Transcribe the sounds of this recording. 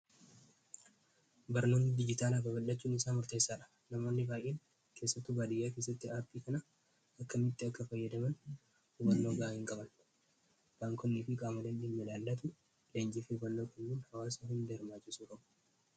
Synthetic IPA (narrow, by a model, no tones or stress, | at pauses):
bɐɾno̞ːnd̪ɪd͡ʒɪt̪aːlafɐbɐlːɐt͡ʃːuːnɪsaːnmʊɾt̪eːsːaːᶑɐ̥ | nɐmo̞ːnːɪbaːjʔːeːŋ | kʰe̞ːsːɐt̪ːʊbaːd̪ɪjːaːke̞ːs̬ːɐt̪ːɪaːɾpiːkɐnɐ | ɐkːɐmɪt̪ːɪɐkːɐfɐjːɐd̪ɐmɐn | ʊbɐɾnːo̞ːɡaːɪŋkʼɐbɐn | b̥aːŋkʰɔnːiːfɪkʼaːmɐd̪ɐnᶑemːɛlaːld̪ɐt̪ʊ | leːɲd͡ʒɪfɪbɐnːoːkʼɐnːuːnhɐwaːsɐhɪnd̪ɛɾmaːt͡ʃːɪsuːkʼɐbʊ̥